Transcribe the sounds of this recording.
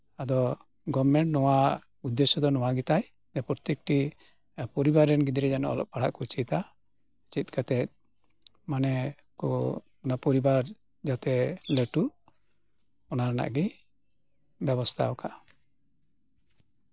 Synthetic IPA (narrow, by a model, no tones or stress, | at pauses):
ad̪ɔ | ɡɔbmɛɳʈnɔwa | ud̪ːɛsɔd̪ɔnɔwaɡit̪aj | nɛpɔɾt̪ɛk̚ʈi | pɔɾibaɾɛnɡid̪ɾɛd͡ʒanɔ̰ɔ̰lɔ̰p̚paɽa̰ʔkɔt͡ʃit̪a | t͡ʃit̪̚kʰat̪ɛt̪̚ | manɛ | kɔ̰ | ɔnapɔɾibaɾ | d͡ʒat̪ɛleʈuɾ | ɔnaɾana̰ʔɡi | bjɛbɔst̪ʰa̰wkʰa